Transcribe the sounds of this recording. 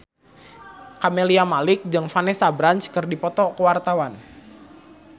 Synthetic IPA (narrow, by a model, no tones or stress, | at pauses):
kameliamalɪk̚d͡ʒɨŋfanɛsabɾant͡ʃkərdipɔt̪ɔkəwart̪awan